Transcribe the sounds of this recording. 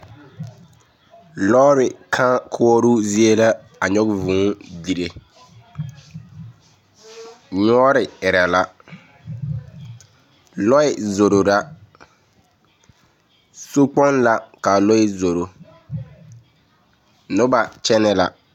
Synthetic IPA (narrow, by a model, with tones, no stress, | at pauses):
lɔ˦ɾɪ˨kʰã˦kʰʊ˦ɔ˦ɾu˦zi˦e˦la˦ | a˨ɲɔ˦ɡvʊ̃ː˨˦di˨ɾe˨ | ɲɔ˦ɾɪ˨ɪ˨ɾa˨la˦ | lɔ˦ɪ˨zo˨ɾo˨ɾa˦ | so˦k͡pɔ˦nla˨ka˨lɔ˦ɪ˦zo˨ɾo˨ | nʊ˦ba˨t͡ʃɛ˦nɛ˦la̰˨